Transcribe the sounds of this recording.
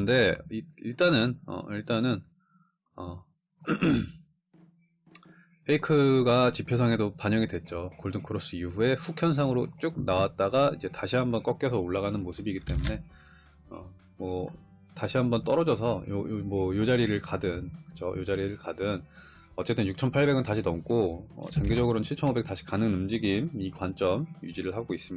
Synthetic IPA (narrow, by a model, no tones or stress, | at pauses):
nde̞iiɭt͈anɯnʌ̰iɭt͈anɯn | ʌ | pʰeikʰɯɡat͡ɕipʰjosʰʌŋe̞dopaɲʌŋidwe̞t̚t͡ɕ͈okoɭdɯŋkɯɾʌs͈uiɸue̞ɸukʰjʌns̬ʰaŋɯɾot͡ɕ͈uk̚nawat̚t͈aɡaid͡ʑe̞taɕʰiɦambʌnk͈ʌk̚k͈jʌsʰʌoɭːaɣanɯnmosʰɯbiɡit͈e̞mune̞ | ʌ̰ | mʌ | taɕʰiɦambʌnt͈ʌɾʌd͡ʑʌs̬ʰʌjo̰jmʌjod͡ʑaɾiɾɯɭkadɯnkɯ̥t͡ɕʰo̰jod͡ʑaɾiɾɯɭkadɯn | ʌt͡ɕ͈e̞t͈ɯnjuk̚t͡ɕʰʌnpʰaɭbe̞ɡɯntaɕʰinʌmk͈oʌ̰t͡ɕaŋɡed͡ʑʌɡɯɾont͡ɕʰiɭt͡ɕʰʌnobek̚t͈aɕʰi̥kanɯŋnɯmd͡ʑiɡimikwant͡ɕ͈ʌmjṵd͡ʑiɾɯɭhaɡois͈ɯmi